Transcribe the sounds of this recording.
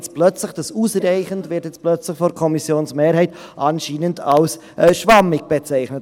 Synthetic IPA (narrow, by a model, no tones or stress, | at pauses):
t͡splœt͡slɪxd̥ɑsuːsraɪχəndvɪtjɛt͡splœt͡slɪxfɔɾkʰɔmisjoːnsmeːɾhɛɪtʔɑnʃiːnəndʰals | ʔʃvɑmɪɡ̚b̥ɛt͡sɛɪχnət